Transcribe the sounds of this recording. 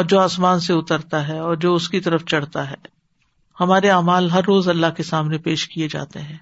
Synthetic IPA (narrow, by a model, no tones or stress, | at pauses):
ɔːɾd͡ʒoːaːsmaːnseʊt̪əɾt̪aɦɛɔːɾd͡ʒoːʊskit̪ɐɾəft͡ʃɐɽ̤t̪aɦɛː | hɐmaːɾeaːmaːlɦɐɾːoːzɐlːaɦkesaːmnepeːʃkied͡ʒa̰ːt̪eɦɛ̃ː